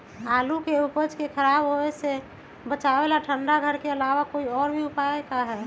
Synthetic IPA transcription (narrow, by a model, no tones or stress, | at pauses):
aːlukeupəd͡ʒkekʰəɾaːbɦoese | bət͡ʃaʋelaʈʰə̃ɳɖaɡʱəɾkeəlaːʋakoiɔːɾbʱiʊpaekaɦɛː